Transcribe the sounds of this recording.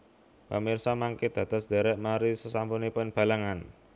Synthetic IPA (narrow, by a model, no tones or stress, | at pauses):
pə̰mirsamaŋked̪̥ä̤t̪ɔ̤sd̪̥ɛ̤ɾɛʔmaɾisəsampunipʊnb̥a̤laŋan